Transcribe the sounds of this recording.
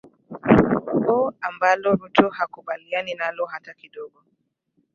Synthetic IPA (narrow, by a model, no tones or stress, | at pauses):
bɔambalɔɾutɔhakuɓalianinalɔɦatakiɗɔɡɔ